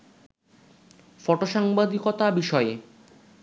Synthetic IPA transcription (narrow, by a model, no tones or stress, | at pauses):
fɔʈoʃaŋbad̪ʱikot̪abiʃɔe